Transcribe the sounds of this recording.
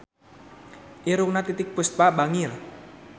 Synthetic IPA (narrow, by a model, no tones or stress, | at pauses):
ʔiɾʊŋnat̪it̪ɪk̚pust̪̚pabaŋɪl